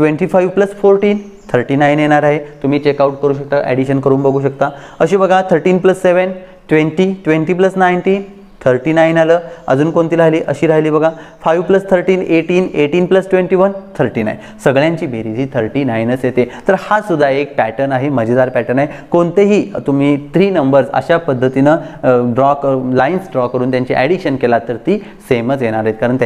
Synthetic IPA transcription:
ʈʋẽɳʈiːfajʋpləsfoɾʈiːn | t̪ʰəɾʈiːnajnjeɽ̃aɾaɦet̪um̤iːt͡ɕekauʈ̚kəɾuːɕ̬ək̚t̪aʔḛɽiɕənkəɾuːnbəɡʱuːɕ̬ək̚t̪aəɕiːbəɡʱat̪ʰəɾʈiːnpləsːeʋən | ʈʋenʈiʈʋeɳʈiːp̬ləsnajnʈiːn | t̪ʰəɾʈiːnajnaləːə̰d͡zuːnkont̪iːlɾaɦliːʔəɕiːɾaɦliːbəɡʱafajʋpləst̪ʰəɾʈiːneʈiːneʈiːnpləsʈʋeɳʈiːʋənt̪ʰəɾʈiːna̰jn | səɡɭjãɲt͡ɕiːbʱeɾid͡ʑ̪ʱiːt̪ʰəɾʈiːnajnət͡sjet̪et̪əɾhasud̪ʱːaek̚pæʈəɾnaɦeməd͡ʑʱid̪aɾpæʈəɾnaekoɳt̪eɦiːt̪um̤iːt̪ɾiːnəmbəɾsə̰ɕapəd̪ʱːət̪inəɖɾɔklajnsɖɾɔkəɾuːnt̪jaɲt͡ɕḭʔæɽiɕənkelat̪ːəɾt̪iː | semət͡sjeɽ̃aɾɦet̪̚kaɾəɳt̪ja

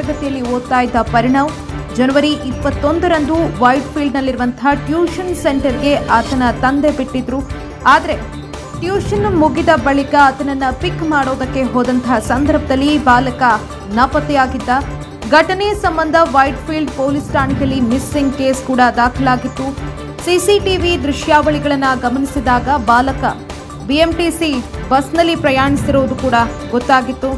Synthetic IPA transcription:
ɐɡɐt̪ijɐlːioːt̪ːaːjid̪ːɐpɐɾiɳɐm | d͡ʒɐnɐʋɐɾiʔipːɐt̪ːo̞nd̪ɐɾɐnd̪uʋɐjʈpʰilɖnɐlːiɾuʋɐnt̪ɦaʈjuːʃɐnse̞ɳʈɐɾɡe̞ʔɐt̪ɐnɐt̪ɐnd̪ebiʈːid̪ɾu | aːd̪ɐɾe̞ | ʈjuːʃɐnmuɡid̪ɐbɐɭikɐːt̪ɐnɐnːɐpikmaːɽoːd̪ɐkːe̞ɦoːd̪ɐnt̪ɐɐsɐnd̪ɐɾbʱɐd̪ɐlːibaːlɐkɐ | nɐpɐt̪ɛjaːɡid̪ːɐ | ɡʱɐʈɐnejɐsɐmbɐnd̪ʱɐʋɐjʈpʰiːlɖpoːlisʈaːɳkjɐlːimisːiŋɡke̞ːskuːɽɐd̪aːkʰɐlaːɡit̪ːu | sisiʈiʋid̪ɾɪʃjaːʋɐɭiɡɐɭɐnːɐɡɐmɐnisid̪aːɡɐbaːlɐkɐ | biemʈisibɐsnɐlːipɾɐjaːɳisiɾoːd̪ukuːɽɐɡɔt̪ːaːɡit̪ːu

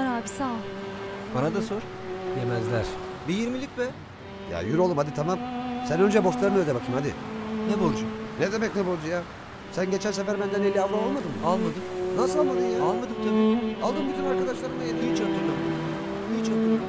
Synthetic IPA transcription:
aɾaːbi̥sa | baɾad̪asoɾ | d̪emɛzlʲæɾ̥bijiɾmilʲicʲvɛ | ja̰jyɾolˠɯmhad̪it̪ʰamamsænø̞nd͡ʒɛbo̞st̪lˠaɾɯnølʲɛbakʰɯmhad̪ḭnɛbolˠud͡ʒuned̪emɛcnɛbolˠud͡ʒuja | sænɟe̞t͡ʃʰænsefæɾbænd̪ænelʲːiavɾomalˠmad̪ɯmalˠmad̪ɯmnasɯlalˠmad̪ɯmjaalˠmad̪ɯmt̪ʰabiːalˠd̪ɯmbit̪ʰynaɾkad̪aʃlˠaɾɯmajat̪ʰɯjit͡ʃand̪ɯɾnamd̪ɯ | jit͡ʃald̪ɯ

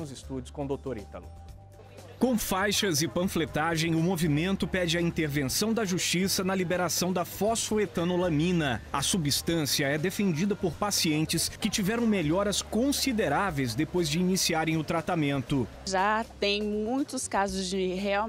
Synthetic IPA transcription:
ʊzɪst̪ud͡ʒʊskõd̪ot̪oɾit̪ɐ̰lu | kõw̃fajʃɐzɪpɐ̃flet̪aʒẽj̃ʊmovimẽnt̪ʊpɛd͡ʒɪɐĩnt̪eɾvẽsɐ̃w̃d̪ɐʒust͡ʃisɐnɐlibeɾasɐ̃w̃d̪ɐfɔsfoet̪ɐ̃nolɐmĩnɐɐsubist̪ɐ̃siɐɛd̪efẽnd͡ʒid̪ɐpoɾpasiẽnt͡ʃɪskɪt͡ʃivɛɾɐ̃w̃meʎɔɾɐskõsid̪eɾavejzd̪epojzd͡ʒɪinisiaɾẽj̃ʊt̪ɾat̪amẽnt̪ʊ | ʒat̪ẽj̃mũj̃t̪ʊskazʊzd͡ʒɪɦea

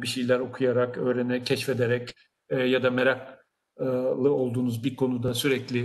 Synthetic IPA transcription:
biʃejlʲæɾo̞kʰujaɾakø̞ːɾenɛcʰɛʃfed̪eɾɛcː | jad̪ameɾak | lˠɯo̞lˠd̪uːnuzbiɾkʰo̞nud̪asyɾɛclʲi

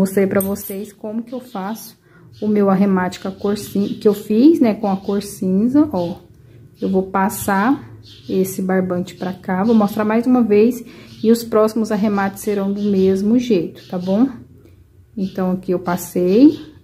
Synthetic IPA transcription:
most̪ɾejpɾɐvosejskõmʊkɪewfasʊ̥ | ʊmewaɦemat͡ʃɪ̥kɐkoɾsĩkɪewfiznɛkõɐkoɾsĩzɐʔɔ | ewvowpasa | esɪbaɾbɐ̃t͡ʃɪ̥pɾɐkavowmost̪ɾaɾmajzũmɐvejsɪʊspɾɔsimʊzaɦemat̪ɪ̥seɾɐ̃w̃d̪ʊmezmʊʒejt̪ʊ̥t̪abõw̃ | ẽnt̪ɐ̃w̃akiewpasej

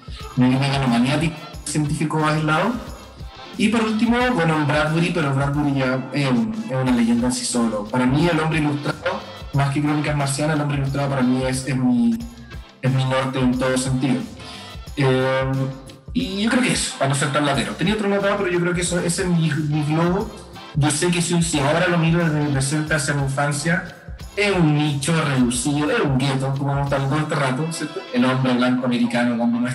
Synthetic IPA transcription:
meɣimaɣanomanjat̪iksjent̪̬ifikoajlaðo | ipoɾult̪imobwenoebɾat̪̚βuɾipeɾobɾad̪̚buɾiʝaeesunaleʝe̞nd̪aensi̥solopaɾamielombɾeilust̪ɾao | maskekɾonikaeɦmaɾs̬janaelo̞mbɾeilust̪̬ɾaðop̬aɾamiesezmi | ezminoɾt̪eːnt̪oðose̞nt̪iðo | em | iʝokɾeokeeso̥panos̬eɾt̪aβlat̪eɾot̪eniaot̪ɾonot̪aopeɾoʝo̞k̬ɾeokeesoesemimiɣloɣo | ʝosek̬esunsiaoɾalomiɾoðeɦðekepɾese̞nt̪asjamiiɱfansja | eunːit͡ʃoreðusiðoʔeɾauŋɡet̪okomonot̪aβiðoat̪erat̪osjeɾt̪oelombɾeβlaŋkoame̞ɾikanokwand̪onoe

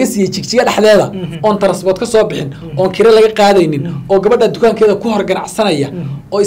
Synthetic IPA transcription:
ɐsiːjɛjt͡ʃɪɡ̚t͡ʃɪɣɐɖɑħðɛːðɐɔːnt̪ʰɐɾɐsbɔːt̪kʰɐsɔːbɪħɪn | ɔːŋkʰɪɾɐlɐɣɐqɑːðɛjnɪnʔɔːɡɐβɐɖɐd̪ʊkʰaːŋkʰɛːðɐkʰʊhɔrɡɐnɑʕsɐnɐjɐɔːɪ

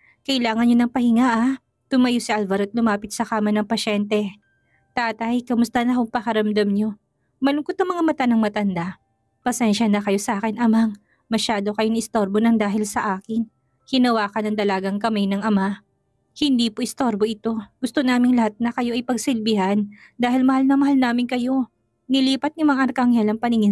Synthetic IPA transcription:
kɐʔɪlaːŋɐnɲonɐŋpɐhɪŋaʔa | t̪ʊmɐjosɪʔalvɐɾot̪̚lʊmaːpɪt̪̚sɐkaːmɐnɐŋpɐʃɛnt̪ɛ | t̪aːt̪ɐjkɐmʊst̪ɐnɐkʊŋpɐkɐɾɐmd̪ɐmɲo̞ | mɐlʊkot̪ːɐŋmɐŋamɐt̪anɐŋmɐt̪ɐnd̪a | pɐsɛnʃɐnɐkɐjo̞sɐʔaːkɪnʔɐmaŋ | mɐʃaːd̪o̞kɐjonɪʔɪst̪o̞ɾbonɐŋd̪aːɦɪlsɐʔaːkɪn | hɪnɐwaːkɐnɐŋt̪ɐlaɡaŋkɐmajnɐŋʔɐma | hɪnd̪iːpoʔɪst̪oɾbo̞ʔɪt̪o̞ɡ̥ʊst̪o̞naːmɪŋlɐhat̪̚nɐkɐjo̞ʔɐjpɐɡsɪlbɪhɐn | d̪aːhɪlmɐhalnɐmɐɦalnaːmɪnkɐjo̞ | nɪliːpɐt̪̚nɪmɐŋaʔɐɾkɐʔɐŋhɛlɐŋpɐnɪŋɪ

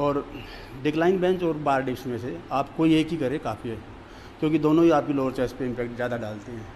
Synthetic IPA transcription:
ɔːɾ | ɖɪklaːɪnbɛ̃ːnt͡ʃɔːɾbaːɾɖeːʃmẽseaːpkoieːkɦikɐɾekaːfiɦɛː | kjõːkid̪oːnõɦiaːp̚kiloːɾt͡ʃɛːspeɪ̃mpɛːkʈzjaːd̪aɖaːlt̪eɦɛ̃ː

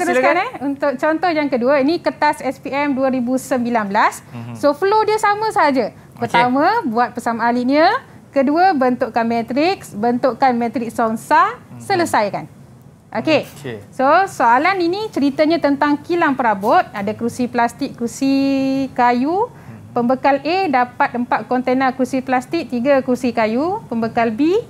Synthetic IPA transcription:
t̪əɾukanɛunt̪ʊk̚t͡ʃɔnt̪ɔhjaŋkəduəinikət̪asɛspiɛmduəɾibusəmbilanbəlasːofəlodiəsamə̃səɦad͡ʒə | pərt̪amə̃buat̪̚pəsamaːliʔɲə | kəduəbənt̪ʊʔkanmɛ̃t̪ɾɪksbənt̪uʔkanmɛ̃t̪ɾɪk̚sɔnsasələsajkan | ʔokesosoalaninit͡ʃəɾit̪əɲãt̪ənt̪aŋkilaŋpəɾabɔt̪̚adakɾusiplast̪ɪkɾusikaju | pəmbəkalʔedapat̪̚əmpat̪̚kɔnt̪enakursiplast̪ik̚t̪iɡəkursikajupəmbəkalbi

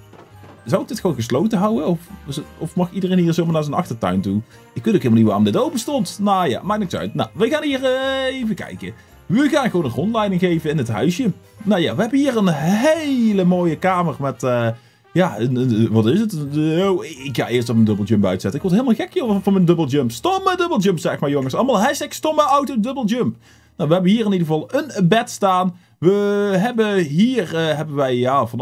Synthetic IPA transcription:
zɑwɪkɡd̥ɪtxəʋonɣəs̬lowtəɦɑwəɔfɔfmɑxidərejnɦiːɹzoːwmaɹnaːɹzənɑ̰xtəɹtœ̰ɥntu | ɪkʋɪntowkɦɪlˠmlˠnitʋaːrɔmdɪtowpəstɔntnoja̰ːmaːk̚nɪktsœ̰ɥtna̰ʋəɣaːnɦiːɹəejvəkɛ̰jkə | ʋəɣaːnɣəʋoːnənrɔntlɛjdɪŋɣejvənɪnətɦœ̰ɥsə | naja̰ːʋəɦɛbəɦiːrənɦɦeləmoːjəkaːmərmɛtə | jaənənəʋɑtɪsətəowɪkxa̰ːɪəstɔfəndɵblˠd͡ʒɵmpœ̰ɥtsɛtənɪkʋɔɹdeɪlˠmalˠxɛkjofɔnməndɵbəl̩ˠd͡ʒɵmpstomədɵbəlˠd͡ʒəmpsɛmaːɹjoŋəsɑləmɑlˠɦɛstɛkstɔməawtədɵbəlˠd͡ʒɵmp | nowʋəɦɛbənɦiːɹɪnidəɣəvɑlˠənbɛtstaːn | ʋəɦɛbəɦiːrɦɛbənʋɛjjavɑn

